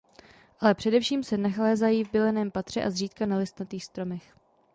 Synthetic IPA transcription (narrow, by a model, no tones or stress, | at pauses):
ʔalɛpr̥ɛdɛfʃiːmsɛnaxlɛːzajiːvbɪlɛnɛːmpat̪r̝̥ɛʔazriːt̪kanalɪst̪nat̪iːxst̪ɾo̞mɛx